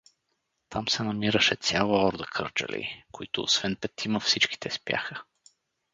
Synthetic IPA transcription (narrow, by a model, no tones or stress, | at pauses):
t̪ʰamsɛnɐmiɾəʃɛt̪sʲjalˠɐɔɾd̪əkʰɤ̰ɾt͡ʃə̰lʲḭkoit̪ʊ̰ːsvɛnpɛt̪iməfsit͡ʃki̥t̪ɛspʲja̰xə